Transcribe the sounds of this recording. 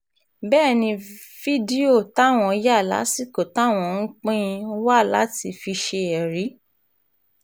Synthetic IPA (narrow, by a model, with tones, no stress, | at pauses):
bɛː˦˨nĩ˧ | fi˦di˦o˦˨ta˦˨w̃ɔ̃˧ja˦˨la̰˨˦si˦˨ko˨ta˨˦˨w̃ɔ̃˧˨˧ŋ̩˦k͡pĩ˦˧˦wa˦˨la̰˨˦ti˧fi˧ʃe˧ɛ˨ɾi˨˦